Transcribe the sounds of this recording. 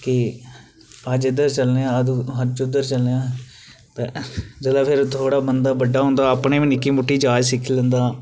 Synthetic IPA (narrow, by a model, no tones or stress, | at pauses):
kɪ | əd͡ʒɪd̪əɾt͡ʃəlneãːəd̪ɦəɾt͡ʃʊd̪əɾt͡ʃəlneãː | t̪ed͡ʒəlaːpʰɪɾt̪ʰoːɽaːbənd̪aːbəɖːaːɦõːnd̪aːəpɳeːʋiːnɪkːiːmʊʈːiːd͡ʒaːd͡ʒsɪkʰːlə̃nd̪aː